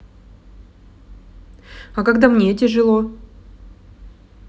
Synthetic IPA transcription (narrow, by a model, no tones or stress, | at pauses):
ɐkaɡd̪amnʲetʲɪʐɨlˠo